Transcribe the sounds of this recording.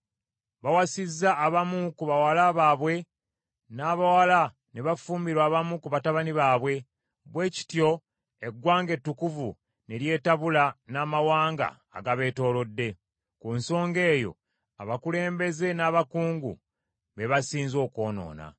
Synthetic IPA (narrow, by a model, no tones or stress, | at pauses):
βawasizːaːβamukuβawalaβaːβwe̞ | naːβawala | ne̞βafuːmiɾwaːβamukuβataβaniβaːβwe̞ | βwe̞ːci̥tjo̞ | e̞ɡwaːŋɡe̞tːukuvṵ | ne̞ɾje̞ːtaβulanaːmawaːŋɡa̰ːɡaβe̞ːto̞ːlo̞dːe̞ | kunso̞ːŋɡe̞ːjo̞̰ | a̰βakule̞ːmbe̞ze̞naːβakuːŋɡṵ | βe̞βasiːnzo̞ːko̞ːno̰ːna̰